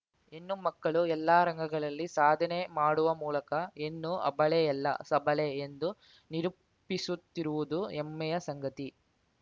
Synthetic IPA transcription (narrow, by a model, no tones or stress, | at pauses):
enːumɐkːɐɭuɛlːaːɾɐŋɡʱɐɡɐɭɐlːisaːd̪ʱɐnemaːɽuʋɐmuːlɐkɐenːuʔɐ̰bɐɭejɛlːɐ̰sɐbʱɐleend̪u | niɾu | pːisut̪ːiɾuʋud̪uɛmːɛjɐsɐŋɡɐt̪i